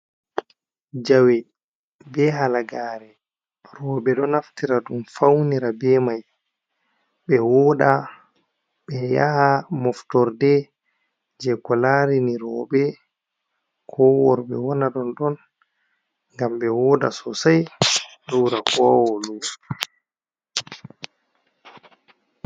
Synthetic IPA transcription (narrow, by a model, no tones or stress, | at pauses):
d͡ʒawɛ | bɛɦalaɡaːɾɛ | rɔɓɛɗɔnaftiɾadumfawniɾabɛmaj | ɓɛwɔɗa | ɓɛja̰hamɔftɔɾdɛ | d͡ʒɛkɔlaɾiniɾɔːbɛ | kʰɔwɔɾɓɛ̰wɔnaɗɔnɗɔn | ŋɡamɓɛwɔɗa̰sɔsajluːɾakɔwɔluː